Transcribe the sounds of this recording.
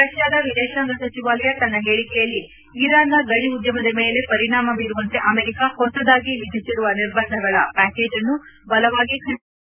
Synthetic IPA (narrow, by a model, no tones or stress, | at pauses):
ɾɐʃjaːd̪ɐʋid̪ɛːʃaːŋɡɐsɐt͡ʃiʋaːlɐjɐt̪ɐnːɐɦe̞ːɭikɛjɐlːi | iɾaːnɐɡɐɽiud̪jɐmɐd̪ɐmeːle̞pɐɾiɳaːmɐbiːɾuʋɐnt̪e̞ʔɐmeːɾikahɔsɐd̪aːɡiʋid̪ʱisiɾuʋɐniɾbɐnd̪ʱɐɡɐɭɐ̰pæːke̞ːd͡ʒɐnːubɐlɐʋaːɡikʰɐ